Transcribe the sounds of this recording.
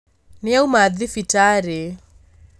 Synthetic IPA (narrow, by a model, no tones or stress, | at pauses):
niaumaðifitaɾɛ